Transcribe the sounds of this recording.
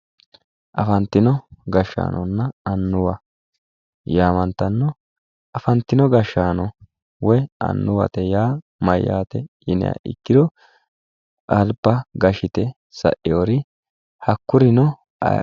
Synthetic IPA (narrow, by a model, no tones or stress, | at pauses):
ʔɐfɐnt̪ːɪnɔɡɐʃːa̰ːnʔɔnːɐɐnːʊwɐ | jaːmɐnt̪ːɐnːɔ | ʔɐfɐnt̪ːɪnɔɡɐʃːaːnɔ | wɔjɐ̰nːʊwɐ̰t̪ɛjaː | mɐjːa̰ːt̪ɛjɪnɛ̰ja̰ʔɪ̰kːɪd̪ɔ | ɐlpːɐɡɐʃɪt̪ɛ | sɐ̰ʔɪjoːɾɪ | hɐkːʊɾɪnɔ̰